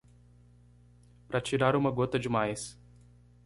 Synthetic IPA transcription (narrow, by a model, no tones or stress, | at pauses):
pɾɐt͡ʃiɾaɾũmɐɡot̪ɐd͡ʒɪmajs